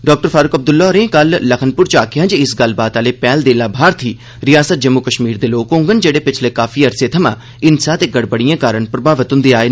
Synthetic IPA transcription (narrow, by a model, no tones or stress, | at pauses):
ɖɔːk̚ʈəɾfʰaːɾʊkəb̚d̪ʊlːaːɾẽːkəlːəkʰənpʊɾt͡ʃaːkʰɪjãːd͡ʒeɪsɡəl̤baːt̪aːleːpɛːld̪eːlaːbʱaːɾt̪ʰiː | ɾɪjaːsət̪̚d͡ʒəmːʊkəʃmiːɾd̪eːloːkõːŋɡənd͡ʒeːɽeːpɪt͡ʃʰleːkaːfʰiːəɾseːt̪ʰəmã̰ː | ɪnsaːt̪eːɡəɽbəɽijãːkaːɾəɳpɾəbaːʋət̪ʊnd̪eaːeː